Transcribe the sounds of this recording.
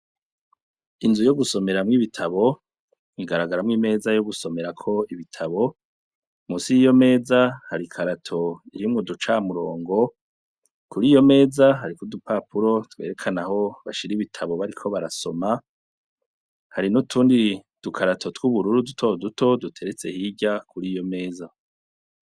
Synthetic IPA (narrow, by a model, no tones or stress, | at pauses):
inzujo̞ɡuso̞me̞ɾamŋiβitʰaβo̞ | iɡaɾaɡaɾamŋime̞ːzajoɡuso̞me̞ɾakʰo̞iβitʰaβo̞ | musijo̞me̞ːzahaɾikʰaɾatʰo̞iɾimŋodut͡ʃamuɾo̞ːŋɡo̞ | kuɾiːjo̞me̞ːzaɦaɾikodupapʰuɾo̞tweːɾe̞kʰanaɦo̞βaʃiɾiβitʰaβo̞βaɾikʰo̞βaɾaso̞ma | haɾinutʰuːndi | d̥ukʰaɾatʰo̞twuβuɾuɾudutʰo̞dutʰo̞dutʰe̞ɾe̞t͡se̞hiɟakʰuɾijo̞me̞ːza